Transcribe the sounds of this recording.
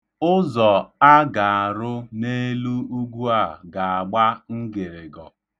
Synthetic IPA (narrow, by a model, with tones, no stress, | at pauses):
ʊ˦zɔ˨a˦ɡa˨a˨ɾʊ˦ne˦lu˦u˦ɡʷu˦a˨ɡa˨a˨ɡ͡ba˦ŋ̩˦ɡe˨ɾɪ˨ɡɔ̰˨